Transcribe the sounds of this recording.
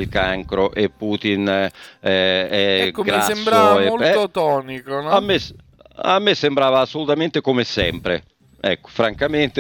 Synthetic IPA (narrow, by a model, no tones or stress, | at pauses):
lkaŋkɾoʔepːuːt̪inɛɛɛkːoɡɾasesmːɾaoɛolot̪ɔnikonamːes | a̰mːesːembɾaːvaːsːolut̪amɛnt̪ekomesɛmpɾḛ | ɛkːo̥fɾaŋkament̪e